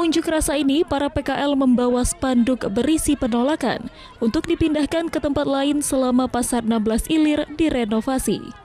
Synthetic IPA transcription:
uɲd͡ʒʊkrasainipaɾapekaʔɛlməmbawasə̥pandʊk̚bəɾisipənolaka̰n | unt̪ʊk̚dipindahkankət̪əmpat̪̚laɪnsəlamapasarnambəlasilɪrdiɾenofasḭ

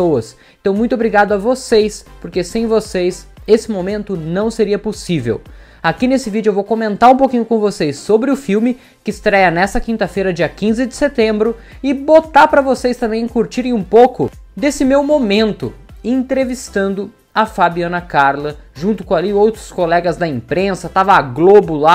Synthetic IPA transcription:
sowɐs | ẽt̪ɐ̃w̃mũj̃t̪obɾiɡad̪ʊɐvosejspoɾkesẽj̃vosejsesɪmomẽnt̪ʊnɐ̃w̃seɾiɐposivḛw | akinesɪvid͡ʒʊewvowkomẽnt̪aɾũpokĩɲʊkõvosejsːobɾɪʊfiwmɪ | kɪːst̪ɾɛjɐnɛsɐkĩnt̪ɐfejɾɐd͡ʒiɐkĩzɪd͡ʒɪ̥set̪ẽmbɾʊ | ɪbot̪aɾpɾɐvosejst̪ɐ̃mbẽj̃kuɾt͡ʃiɾẽj̃ũpowkʊ | d̪esɪmewmomẽnt̪ʊ | ẽt̪ɾevist̪ɐ̃nd̪ʊ | ɐfabiɐ̃nɐkaɾlɐʒũnt̪ʊ̥kõaliowt̪ɾʊskolɛɡɐzd̪ɐẽpɾẽsɐt̪avɐaɡlobʊla

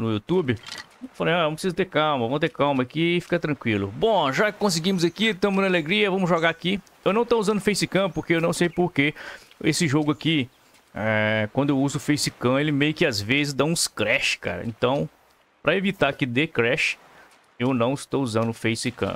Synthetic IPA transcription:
nʊut̪ubɪ | falẽj̃ajñpɾsizɐt̪eɾkawmɐvɐ̃w̃t̪ekawmɐːkiːfi̥kɐt̪ɾɐ̃kwilʊbõʒakõs̬ɪɡĩmʊzɐkit̪ɐ̃mʊznɐaleɡɾiɐvɐ̃mʊzʒoɡaaki | ewnɐ̃w̃t̪ouzɐ̃nd̪ʊfejsɪkɐ̃poɾkeewnɐ̃w̃sejpoɾke | esɪʒoɡʊaki | ɛkwɐ̃d̪ʊewuzʊfejsɪkɐ̃elɪmejʊkɪazvezɪzd̪aũskɾɛʃɪ̥ka̰ɾɐ̰ḛ̃t̪ɐ̃w̃ | pɾɐevit̪akɪd̪ekɾɛʃɪ̥ | ewnɐ̃w̃ɪst̪owuzɐ̃nd̪ʊfejsɪkɐ̰̃

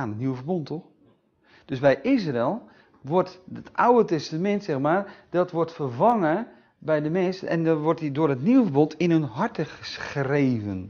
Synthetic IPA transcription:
anətniwəfərbontʰox | d̥øsbɛjʔis̬rɛlˠ | ʋɔrtətʔawətɛstamɛntsɛxmaːrd̥ɔtʋɔrtfərvaŋə | bɛjdəmɛnsɛ̰ndɔʋɔrtidʊərətniwəfərbontʰɪnønɦɔrtəxəsxreːvən

